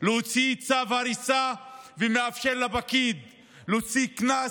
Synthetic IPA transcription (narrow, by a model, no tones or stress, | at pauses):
lot͡sit͡savhaɾisavemeafʃelːabakid̪ | lot͡sikna